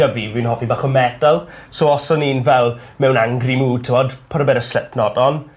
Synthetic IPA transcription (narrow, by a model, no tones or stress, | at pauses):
avivɪnɦɔvibaːχəmɛdalˠsoːɔsɔniːnvɛlˠmɛwnaŋɡrimuːtʰɪmɔdpʰɔɾɔbɛɾəslɛtʰnɔdɔn